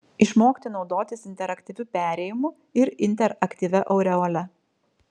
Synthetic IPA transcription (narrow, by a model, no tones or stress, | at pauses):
ɪʃmoːkʲt̪ʲɪnɒʊd̪oːt̪ʲɪsɪnʲt̪ʲɛɾɐkt̪ʲiːʋʲʊpʲæːɾʲɛːjɪmʊ | ɪɾɪnʲt̪ʲɛɾɐkt̪ʲiːʋʲɛʔɔʊɾʲɛoːlʲɛ